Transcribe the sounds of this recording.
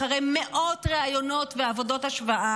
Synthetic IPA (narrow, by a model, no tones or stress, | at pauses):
aʁejmeʔo̞tʁeajo̞no̞tveavo̞dothaʃvaa